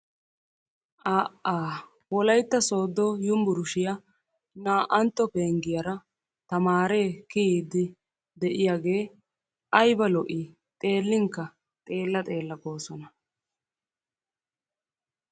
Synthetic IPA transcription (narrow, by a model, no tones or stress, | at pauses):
ʔaːʔaː | wɔlɐjt̪ːɐso̞ːd̪ːɔjʊmbʊɾʊʃɪja | naːʔɐnt̪ːɔpeːŋɡɪjɐɾɐ | t̪ɐmaːɾe̞ːkɪhiːd̪ɪ | d̪ɛʔɪjaːɡe̞ː | ʔɐjbɐlɔʔɪ | t̪ʼe̞ːlːɪŋkːɐ | t̪ʼe̞ːlːɐt̪ʼe̞ːlːɐɡo̞ːsɔnɐ